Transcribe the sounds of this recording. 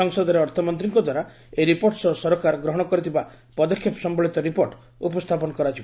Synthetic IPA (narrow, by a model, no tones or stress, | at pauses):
ɔŋsɔd̪ɔɾeɔɾt̪ʰɔmɔnt̪ɾiŋkɔd̪ʱwaɾa | eɾipoɾʈsɔsɔɾɔkaɾɔɡɾɔɦɔɽ̃ɔkɔɾit̪ʰiba | pɔd̪ɔkʰːjɔpɔsɔmbɔɭit̪ɔɾipoɾʈ | upɔst̪ʰapɔnɔkɔɾat͡ʃʰib